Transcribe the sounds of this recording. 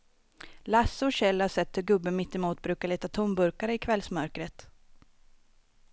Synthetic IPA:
lasːəɔɕɛlːaʂɛt̪ːhɵɾɡɵbːəmɪt̪ːɛmuːt̪̚bɾʉ̟ːkaɭiːt̪at̪ʰʊmbɵɾkaɾəɪkʰvɛlsmœɾkɾət̪

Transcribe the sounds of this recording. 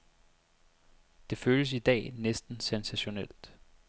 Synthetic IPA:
d̥e̝føːləs̬id̥ɛ̰ːnesd̥n̩sensæɕo̝nel̰d̥

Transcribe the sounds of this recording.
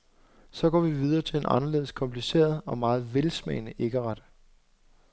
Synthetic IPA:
sɒ̽ɡ̥ɒ̰ːʋiʋið̞ˠɐːt͡sʰe̝le̝nʔɑ̈nɐle̝ːð̩ˠskʰɒ̽mpʰlise̝̰ːɐð̩ˠɒ̽mɑ̈ːð̞̩ˠʋelsmɛ̰ɪnəʔe̝ɡ̥əʁɑ̈d̥ə

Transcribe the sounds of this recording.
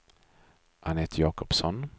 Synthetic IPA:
ʔanheːt̪jɑːkɔpsɔn

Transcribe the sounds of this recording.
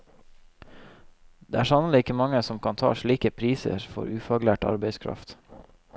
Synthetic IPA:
d̪̥eːæːʃɑnəliːɪkəmɑŋəsɔmkʰɑːnt̪ʰɑ̰ːʃɭiːkəpʰɾiːsə̰ɾfɔ̰ɾʉːfɑɡlæːʈɑ̰ɾbeɪskʰɾɑ̰ft̪

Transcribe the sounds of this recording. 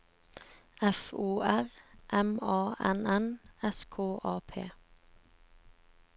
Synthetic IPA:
ɛfuːæʁʔɛmɑːɛnɛnɛskʰoːʔɑːpʰḛː

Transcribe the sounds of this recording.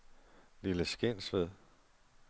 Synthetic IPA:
liləsɡ̥e̝n̰sʋeðˠ

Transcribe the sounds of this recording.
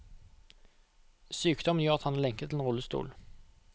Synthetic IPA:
syːkd̪ɔmənjœːʁɑt̪hɑnɑlɛŋkət̪ʰːɪlenɔlːəst̪ṵːl

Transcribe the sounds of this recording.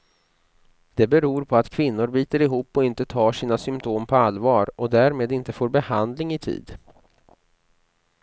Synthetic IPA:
d̪ɛbɛɾuːɾpʰɔat̪kʰvɪnːʊɾbiːt̪əɾɪɦuːpːɔɪnt̪ət̪ʰɑːʂiːnasʏmt̪ʰoːmpʰɔalvɑːɾɔd̪æɾmeːd̪ɪnt̪əfoːɾbɛhand̪lɪŋɪt̪ʰḭːd̪

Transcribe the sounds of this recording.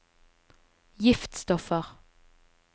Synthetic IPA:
jɪft̪st̪ɔfəʁ

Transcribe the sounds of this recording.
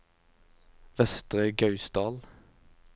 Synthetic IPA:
ʋɛst̪ʁəɡɑʉsd̪ɑːl

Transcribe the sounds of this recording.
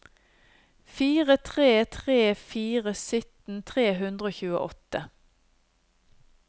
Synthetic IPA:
fiːʁət̪ʰʁeːt̪ʰʁeːfiːʁəsʏt̪n̩t̪ʰʁeːɦʉnd̪ʁəoːçʉːəʔɔt̪ə

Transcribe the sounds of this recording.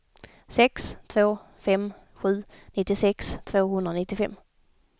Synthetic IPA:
sɛkst̪ʰvoː | fɛm | ɧʉ̟ːnɪt̪ːɪsɛkst̪ʰvoːɦɵnd̪ɾanɪt̪ːɪfɛ̰mː

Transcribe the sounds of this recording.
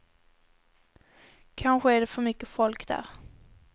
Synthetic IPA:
kʰanɧəæɖɛfœɾmʏkːəfɔlkd̪æ̰ːɾ

